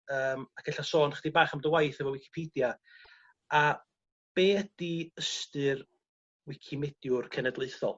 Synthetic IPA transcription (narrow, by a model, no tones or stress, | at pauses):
əːmakʰɛɬasoːnχəd̥ibaːχamdəwajθɛvɔwɪkʰi̥pʰedja | a | b̥eːd̥iəstɨr | wɪkʰimɛd̥jʊrkʰɛnɛdlˠeɨθɔ̰lˠ